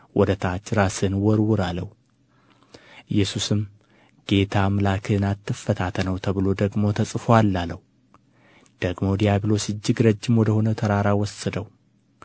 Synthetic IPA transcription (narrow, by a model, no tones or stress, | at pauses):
wʔɔd̪ət̪ʰat͡ʃːɾasɨnwɔɾwʊɾalːəw | ʔɨjːɛsusɨm | ɡ̥e̞t̪ʰamlakʰɨnat̪ʰːɨfːət̪ʰat̪ʰənəwt̪ʰəβɨlo̞d̪əɡmo̞t̪ʰəsʼɨfoalːalːəw | d̪̥əɡmo̞d̪ijaβlo̞sɨd͡ʒːɪɡɾəd͡ʒːɪmwɔd̪əho̞nət̪ʰəɾaɾawɔsəd̪əw